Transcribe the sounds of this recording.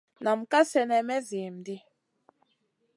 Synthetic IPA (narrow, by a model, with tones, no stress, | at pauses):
na˨m̩˨ka˦sɛ˨nɛ˨mɛ˦zi˨m˨di˦